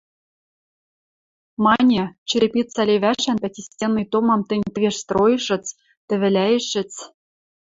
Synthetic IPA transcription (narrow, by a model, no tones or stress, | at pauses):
mɑnʲĕt͡ɕɘ̆ɾʲɘ̆pʲit̪t͡sɑlʲeβæʃænpʲætʲisʲtʲenːɨjt̪omɑmt̪ɘ̆nʲt̪ɘ̆vʲeʃst̪rojɤ̆ʃɤ̆t͡s | t̪ɘ̆βɘ̆lʲæjɘ̆ʃɘ̆t͡s